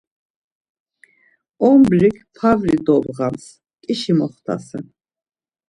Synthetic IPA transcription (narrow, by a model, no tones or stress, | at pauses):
ɔmbɾikʰpʰavɾid̪ɔbʁams | kʼiʃimɔχt̪ʰa̰sɛn